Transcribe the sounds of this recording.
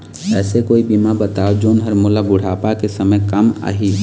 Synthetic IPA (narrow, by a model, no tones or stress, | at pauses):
ɛːsekoːibiːmabət̪aːod͡ʒoːnɦəɾmolabʊɽ̤aːpakesəməjkəma̰ːɦiː